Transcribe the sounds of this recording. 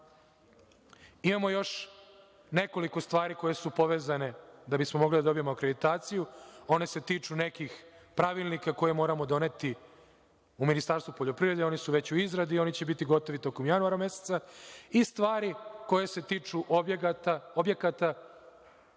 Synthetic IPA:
imamo̞jo̞ʂ | ne̞ko̞liko̞st̪ʋaːɾiko̞je̞supo̞ʋeːzane̞d̪abismo̞mo̞ɡlid̪ad̪o̞bijemoakɾed̪it̪aːt̪sijuo̞ne̞se̞t̪iːt͡ʂune̞kixpɾaʋilˠnikako̞je̞mo̞ːɾamo̞d̪o̞ne̞t̪i | uminist̪aɾst̪vupoʎo̞pɾiʋɾed̪eo̞nisuʋe̞t͡ɕuizɾad̪io̞nit͡ɕe̞bit̪iɡo̞t̪o̞ʋit̪o̞komjanuaɾame̞set̪saist̪ʋaːɾiko̞je̞se̞t̪iːt͡ʂuʔt̪aobjekat̪a

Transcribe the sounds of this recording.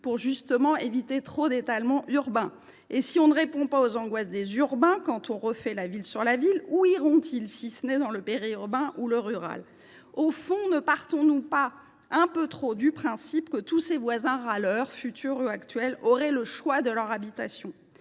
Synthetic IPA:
puʁʒyst̪əmɑ̃evit̪et̪χod̪et̪almɑ̃ʔyʁbɛ̃ | esiɔ̃nəʁepɔ̃paozɑ̃ɡwas̬d̪ezyʁbɛ̃kɑ̃t̪ʰɔ̃ʁəfɛlavilsyʁlaviluiʁɔ̃t̪ʰilsisənɛd̪ɑ̃ləpeʁiyʁbɛ̃ʔuləʁyʁa̰l | ofɔ̃nəpaʁt̪ɔ̃nupa | ɛ̃pøt̪χod̪ypχɛ̃sipkət̪usevwazɛ̃ʁalœʁfyt̪ʰyʁuakt̪ɥɛlɔʁɛləʃwad̪əlœʁabit̪a̰sjɔ̃

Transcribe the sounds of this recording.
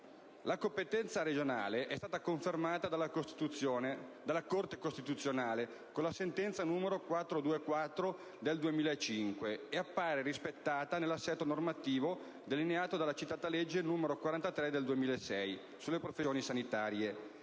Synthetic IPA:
lakompet̪ɛnt̪saɾed͡ʒonaːleʔɛst̪aːt̪akoɱfermaːt̪ad̪alost̪t̪uond̪alːakort̪ekost̪it̪ut̪sːjonaːle | konlasent̪ɛnt̪sanuːmeɾokwat̪ːɾod̪uːekwat̪ːɾo | d̪eld̪uemiːlaet͡ʃiŋkweːapːaːɾeɾispet̪ːaːt̪anelːasːɛt̪ːonormat̪iːvo | d̪elineaːt̪od̪alːat͡ʃit̪ːaːt̪aled͡ʒːenuːmeɾokwaɾant̪at̪ɾɛd̪eld̪uemiːlaesɛj | sulːepɾofejoːnisanit̪aːɾje

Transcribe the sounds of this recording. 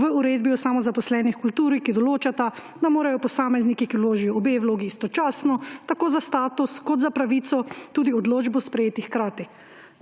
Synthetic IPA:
ʋəuɾeːd̪̚biɔsaːmɔzapɔslɛːnixkult̪uːɾikid̪ɔloːt͡ʃat̪a | d̪amoːɾajɔpɔsaːmɛznikikiwloːʒijɔɔbewloːɡiːst̪ɔt͡ʃaːsnɔt̪akoːzast̪aːt̪uskɔt̪zapɾaʋiːt̪sɔt̪uːd̪iɔd̪loːd͡ʒbɔspɾɛjeːt̪ixkɾaːt̪i

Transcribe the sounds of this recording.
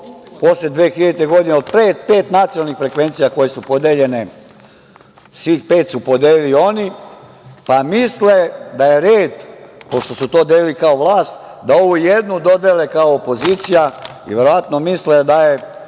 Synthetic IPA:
posled̪ʋeːxiʎet̪eɡo̞d̪ineod̪peːt̪̚pe̞ːt̪nat̪sionalnixfɾe̞kʋent̪sijako̞jesupo̞d̪eʎe̞ne | sʋixpe̞ːt̪supod̪elilio̞ni | pamisled̪aje̞ɾeːd̪po̞ʃt̪osut̪o̞ːd̪elilikao̞ʋlˠaːst̪d̪ao̞ʋujed̪nud̪o̞d̪elekaoːpo̞ziːt̪sija | ḭʋe̞ɾo̞ʋat̪nomisled̪aje

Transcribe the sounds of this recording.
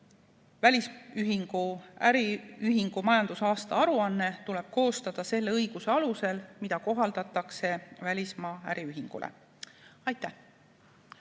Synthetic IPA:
vælʲisyɦiŋɡ̥uæɾiyɦiŋɡ̥umɑjɑnd̪̥usɑːst̪ɑɑɾuɑnːe̞t̪ule̞b̥̚ko̞ːst̪ɑd̪̥ɑse̞lːe̞ɤjɡ̥use̞ɑluse̞lmid̪̥ɑko̞ɦɑld̪̥ɑt̪ːˑɑkse̞vælʲismɑːæ̰ɾiyɦiŋɡ̥ṵlʔḛ | ɑjt̪ːˑæh

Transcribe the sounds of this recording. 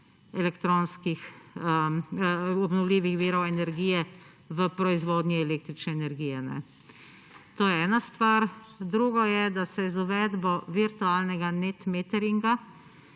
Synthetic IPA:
ɛlɛkt̪ɾonskixəəɔbnɔwlʲiːʋixʋiːɾɔwɛnɛɾɡijɛ | ʋəpɾɔizʋoːd̪nʲiɛleːk̚t̪ɾit͡ʃnɛɛnɛɾɡiːjɛnɛ̰ | t̪oːjɛɛːnast̪ʋaɾd̪ɾuːɡɔjɛd̪asɛzuʋɛːd̪bɔʋiɾt̪ualnɛɡanet̪meːt̪ɛɾiŋɡa

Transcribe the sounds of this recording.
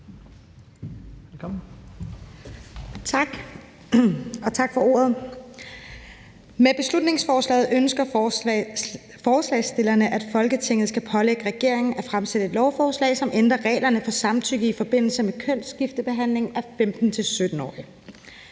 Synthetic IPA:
t͡sʰɑɡ̥ | ɒ̽t͡sʰɑ̈ɡ̥fɒ̽o̝̰ːɐðˠ | meb̥e̝slud̥ne̝ŋsfɒːslɛ̰ːɪð̩ˠʔønsɡ̥ɐ | fɒːslɛ̰ɪsd̥e̝lɐnəʔæd̥fɒ̽lɡ̥ət͡sʰe̝ŋ̰ð̞̩ˠsɡ̥æpʰɒ̽leɡ̥əʁɛɡ̥e̝ɐ̰e̝ŋn̩æfʁamsed̥əe̝d̥lɒʊfɒːslɛ̰ːɪsɒ̽mʔend̥ʁɐʁɛ̰ːlɐnəfɒ̽sɑ̈mt͡sʰyɡ̥ð̩ˠifɒ̽b̥e̝n̰l̩səmekʰøn̰sɡ̥ifd̥əb̥e̝ɦæn̰le̝ŋæfemd̥n̩t͡sʰe̝lsød̥n̩ɒ̰ːi

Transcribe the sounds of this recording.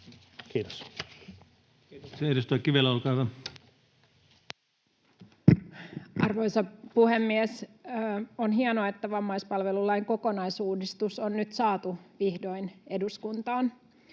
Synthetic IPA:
kiːt̪o̥s | seedust̪oikːˑiʋielæolkɑːʋɑ | ʔɑrʋojsɑpuhemːies | onɦiɑnoɑet̪ːæʋɑmːɑjspɑlʋe̞lulːɑjŋko̞ko̞nɑjsuːdist̪usonnyt̪sɑːt̪uʋihdo̞jne̞duskunt̪ɑːn

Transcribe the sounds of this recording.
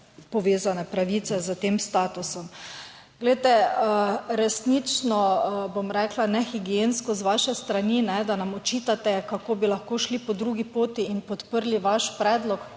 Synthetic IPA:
pɔʋeːzanɛpɾaʋiːt̪sɛzət̪eːmst̪aːt̪usɔm | ɡlɛjt̪ɛ | ɾɛsnit͡ʃnɔbomɾɛklanɛxiɡijenskɔzʋaʃɛst̪ɾaninɛd̪anamɔt͡ʃiːt̪at̪ɛkakoːbilaxkoːʃlipɔd̪ɾuɡipoːt̪iːnpɔt̪pəɾliʋaʃpɾɛːd̪lɔk

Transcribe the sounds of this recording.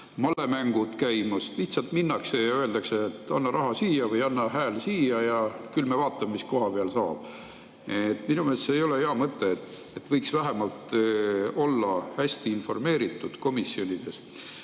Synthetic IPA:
mɑlːe̞mæŋɡ̥ud̪̥kæjmɑsliht̪sɑlt̪minːɑkse̞jɑøe̞ld̪ɑkseːt̪ːˑɑnːɑɾʔɑɦɑsiːjɑvɤjɑnːɑɦæːlsiːjɑjɑkylmevɑːt̪ːˑɑmemisko̞ɦɑpeɑlsɑːb̥ | et̪ːˑminumelsejo̞le̞heɑmɤt̪ːˑe̞t̪ː | et̪ːvɤjksvæɦemɑlt̪ | o̞lːɑhæsʲt̪iinfo̞rme̞ːɾit̪ːˑud̪̥ko̞misjo̞nʲid̪̥e̞s

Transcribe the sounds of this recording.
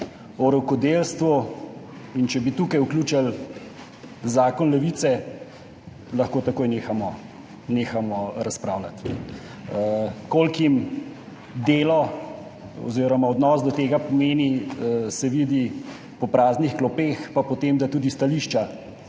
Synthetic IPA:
ɔɾɔwkɔd̪eːlst̪ʋu | int͡ʃɛbit̪uːkajukluːt͡ʃal | zaːkɔnlɛʋit̪sɛ | lɐxkoːt̪akoːjneːxamɔ | neːxamɔɾaspɾaːwlat̪ | koːlkim | d̪eːlɔ | ɔ̰ziːɾɔmaɔd̪nɔzd̪ɔt̪eːɡapɔmeːnisɛʋid̪i | pɔpɾaːznixklɔpeːxpapɔt̪emd̪at̪uːd̪ist̪aliːʃt͡ʃa

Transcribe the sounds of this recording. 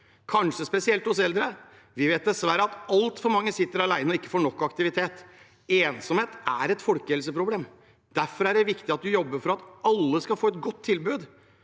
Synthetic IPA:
kʰɑnʂəspɛsɪɛlt̪ɔsɛld̪ɾə | ʋɪʋeːt̪̚d̪ɛsʋæɾəɑt̪ɑlt̪fɔɾmɑŋːəsɪt̪ːəɾɑlæɪnəɔɪkːə̥foːɳɔkːɑkt̪ɪʋɪt̪ʰeːt̪ | eːnsɔmheːt̪æɾɛt̪fɔlkəhɛlsəpɾʊbleːm | d̪̥æɾfɔɾæɖɛʋɪkt̪ɪɑt̪̚d̪ʉjɔbːəɾfɔɾɑt̪ɑlːəskɑfoːɛt̪ɡɔt̪ʰːɪlbʉːd̪

